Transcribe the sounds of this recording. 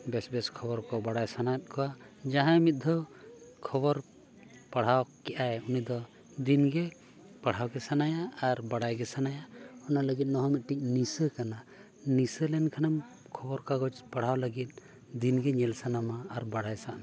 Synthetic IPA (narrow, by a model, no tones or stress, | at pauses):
bɛsbɛskʰɔbɔɾkɔbaɽajsanat̪̚ˀkɔwad͡ʒaɦãjmit̪̚ˀd̪ʱɔkʰɔbɔɾ | paɽ̤awkɛʔajunid̪ɔ | d̪inɡɛ | paɽ̤awɡɛsanajaaɾbaɽajɡɛsanajaɔnaləɡit̪̚nɔɦɔmit̪̚ˀʈic̚nisəkana | nisəlɛnkʰanam | kʰɔbɔɾkaɡɔd͡ʒpaɽ̤awləɡit̪̚ˀ | d̪inɡɛɲɛlsanamaːɾbaɽajsaʔn